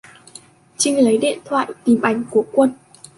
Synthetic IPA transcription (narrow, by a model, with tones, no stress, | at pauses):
t͡ɕi˧ŋlə˨˦jɗḭ˧˨ənt̪ʰwa̰ː˧˨jt̪i˨˩mʔa˨˧˩jŋ̟ku˧˩əkwə˧n